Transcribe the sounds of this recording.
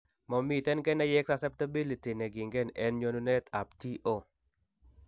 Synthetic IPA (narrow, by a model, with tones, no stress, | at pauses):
mɔ˨mi˨tɛ˦nkɛ˦nɛ˦jɛ˦ksasɛ˦pta˦bi˦li˨ti˨nɛ˨ɡɪ˨ŋɡɛ˦˨nɛ˦nɲo˦nu˦nɛ˦ta˨p̚ti˦ʔo˦˨